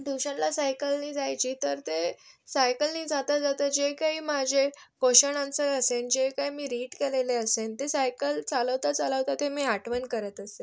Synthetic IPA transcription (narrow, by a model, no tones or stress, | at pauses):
d̪uɕanlasajkəlniːd͡zajt͡ɕiːt̪əɾt̪esajkəlniːd͡zat̪ad͡zat̪əd͡ʑekaɦiːmad͡ʑʱekoɕənãnt͡səəsend͡ʑekaimiːɾiːʈkeleleəsent̪esajkəlt͡saləʋt̪at͡saləʋt̪at̪emiːaʈʋənkəɾət̪əse